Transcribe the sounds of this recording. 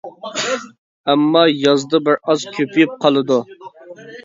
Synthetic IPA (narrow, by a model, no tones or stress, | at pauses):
ɛmːɑjɑzd̪ɨbɪɾɑz̥kʲʰøpʰyjyp̚qʰɑlˠɨd̪u